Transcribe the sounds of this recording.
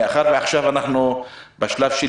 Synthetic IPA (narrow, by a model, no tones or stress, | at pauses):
aχaɾveaχʃavanaχnubaʃlavʃe